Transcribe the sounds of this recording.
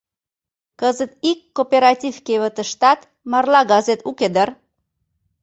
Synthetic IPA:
kəzət̪ikːopeɾɑtʲivkeβət̪ə̆ʃt̪ɑt̪ | mɑrlɑɡɑzet̪uked̪ər

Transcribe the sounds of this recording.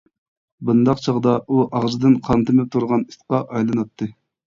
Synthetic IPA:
bɨnd̪ɑqt͡ʃʰɑʁd̪ɑʔuʔɑʁzɨd̪ɨnqʰɑnt̪ɨmɪp̚t̪ʰuɾʁɑni̥sqɑʔɑjlˠɨnɑt̪ʰːɨ

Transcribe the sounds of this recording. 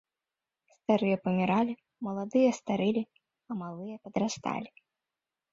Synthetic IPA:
st̪aɾɨjɐpɐmʲiɾalʲi | mɐlˠad̪ɨjɐst̪aɾɨlʲi | ɐmalˠɨjɐpɐd̪ɾast̪a̰lʲi

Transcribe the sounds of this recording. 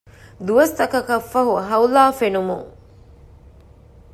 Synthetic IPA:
d̪uʋɐst̪ɐkɐkɐfːɐɦuɦɐwlaːfenumuŋ

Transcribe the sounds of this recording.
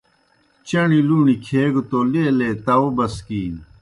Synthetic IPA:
t͡ɕɐɳiluːɳikʰeːɡt̪oːleleːt̪ɐwobɐskiːn

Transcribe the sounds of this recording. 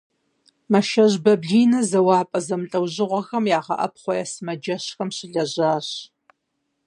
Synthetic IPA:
mɐʃɐʑbɐbɮiːnɐzɐwɑːpʼɐzɐmɨɬʼɐwʑɪʁʷɔxɐmjaːʁɐ̰ʔɐ̰p̚χʷɔjɛsɨmɐd͡ʒɐɕxɐmɕɪɮɐʑaːɕ

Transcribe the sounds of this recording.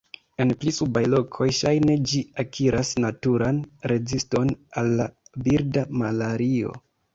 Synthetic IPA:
e̞nplisubajlo̞kʰo̞jʃajne̞d͡ʒiakʰiɾasnatuɾanɾe̞zisto̞nalːabiɾdamalaɾio̞̰

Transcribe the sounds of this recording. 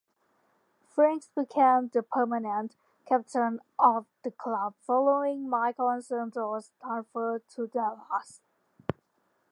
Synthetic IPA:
fɹæ̃ŋksb̥ikʰẽmðəpʰɜ˞mənə̃n | kʰæp̚tʰə̃n | ʔɔvðəkʰl̥ʌb̥̚fɔloɪ̃ŋmaɪknsəntɔstʰɹ̥ãnfə˞tʰudɛlhas

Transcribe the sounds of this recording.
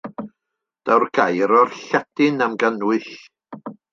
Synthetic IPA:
d̥awrɡajɾɔrɬɛdɪnamɡənwɨɬ

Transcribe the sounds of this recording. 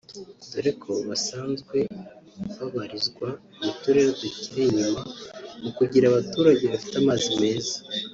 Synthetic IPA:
doɾekʰo̞βasaːnzɡwe̞βaβaɾizɡwa | mutuɾe̞ɾoduciɾiɲimamukuɟiɾaβatuːɾaɟe̞βafi̥tamaːzime̞ːzḁ

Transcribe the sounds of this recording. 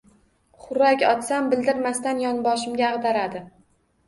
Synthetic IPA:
χʊɾakʲɒt̪sambɪld̪ɪɾmast̪anjɒnbɒʃɪmɡʲaːʁd̪aɾad̪ɪ

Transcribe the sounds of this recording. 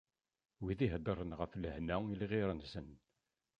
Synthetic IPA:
wiðiɦd̪ˤəɾˤənʁəfləhnæilʁiɾənsən

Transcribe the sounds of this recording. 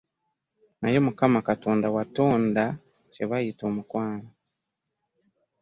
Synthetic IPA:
najo̞mukamakatoːndawato̞ːnda | t͡ʃeβajitoːmukwaːnzi

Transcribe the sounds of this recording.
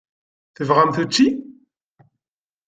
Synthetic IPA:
θəvʁamθut͡ʃːi

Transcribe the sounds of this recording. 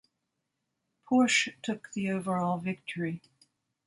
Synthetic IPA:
pʰɔɹʃtʰʊk̚ðioʊvə˞ɔlˠvɪk̚tʰə˞i

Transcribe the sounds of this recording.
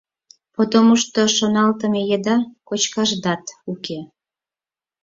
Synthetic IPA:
pod̪omuʃt̪oʃonɑlt̪əmejed̪ɑkot͡ɕkɑʒd̪ɑt̪uke

